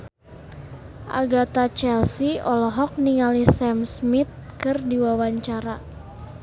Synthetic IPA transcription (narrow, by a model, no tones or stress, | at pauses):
ʔa̰ɡat̪at͡ʃɛlsiɔlɔɦɔk̚niŋalisɛmsmit̪̚kɨrdiwawaɲt͡ʃaɾa